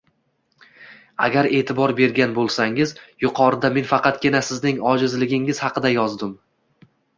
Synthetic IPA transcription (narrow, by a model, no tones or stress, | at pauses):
a̰ɡʲaɾe̞ːt̪ʰɪbɒɾbe̞ɾɡʲanbolˠsaŋɪzjʊqʰɒɾɪd̪ame̞nfɑqɑt̪̚ɡʲɪnasɪznɪŋɒd͡ʒɪzlɪɡʲɪŋɪz̥hɑqɨd̪ajɒzd̪ɪm